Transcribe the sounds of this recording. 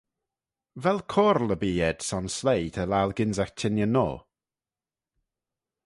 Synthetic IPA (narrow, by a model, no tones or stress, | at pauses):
vɛlˠkʰɔɾlˠəbiːɛd̥sɔnslejdʰəlaːlˠɡɪnzaxtʰɪnjəno̰ː